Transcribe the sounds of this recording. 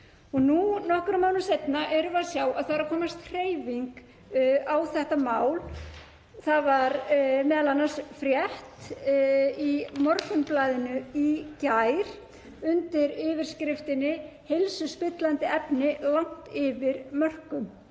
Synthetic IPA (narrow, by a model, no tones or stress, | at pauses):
ɔɣnunɔhkʏɾamaːwnʏmsejt̪naʔɛɾʏvasjaːwaðθaɾakʰɔːmast̪r̥eːjviŋk | awθɛht̪amaːwl | θaðvaɾmɛːðalanːḁsfɾjɛht̪ | imɔɾfʏnplaːðɪnʏicajɾ̥ | ʏnt̪ɪɾɪːvɪɾ̥skɾɪft̪ɪnːɪhelsʏspɪt̪lant̪ɪɛpnɪlawŋ̥t̪ɪvɪɾmœr̥kʏm